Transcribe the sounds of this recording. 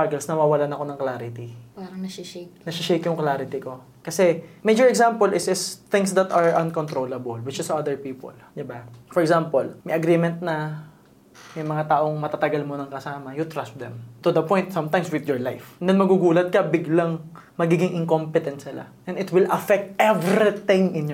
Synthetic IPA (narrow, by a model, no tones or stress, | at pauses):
t̪aɡɛlsnɐwaːwɐlanɐko̞nɐŋklaːɾɪt̪ipaɾɐŋnɐɪʃeknɐʃɪʃejkjʊŋklaːɾɪt̪ɪko̞ | kɐsɛmejd͡ʒɔɹɛɡsãmpolɪsɪst̪ɪ̃ŋsd̪ɐt̪ɐɹʔɐnkont̪ɾowlɐbɐlwɪt͡ʃɪsad̪ɛɹpiːpo̰ld̪ɪbafɔɹɛɡzampolmɐjʔɐɡɾimɛ̃nt̪̚nɐ | mɐjmɐŋat̪aːʔo̞ŋmɐt̪at̪ɐɡalmonɐŋkɐsaːmɐjʊt̪ɹast̪̚d̪ɛmt̪ud̪ɐpɔ̃jnt̪sɐmt̪ajmswɪd̪jɔɹlajfnd̪ɛnmɐɡuɡuːlɐt̪̚kɐbɪɡlaŋmɐɡiːɡɪŋʔɪŋkompɪt̪ɛnt̪sɪla̰ʔɛ̃nɪt̪wɪlʔɐfɛk̚t̪̚ʔɛvɾit̪ɪ̃ŋʔɪ̃nj